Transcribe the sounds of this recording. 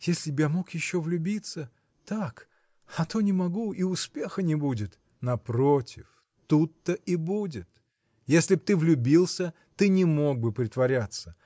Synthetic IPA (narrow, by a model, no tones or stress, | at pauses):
jesʲlʲɪbjamo̞kjɪɕːovlʲʊbʲit̪sə | t̪ak | ɐt̪o̞nʲɪmɐɡuiʊspʲe̞xənʲɪbudʲɪt̪ | nɐpɾotʲɪf | t̪ut̪ːəʔibudʲɪt̪ | jesʲlʲɪb̚t̪ɨvlʲʊbʲilˠsʲə | t̪ɨnʲɪmo̞ɡ̚bɨpɾʲɪt̪vɐɾʲat̪sə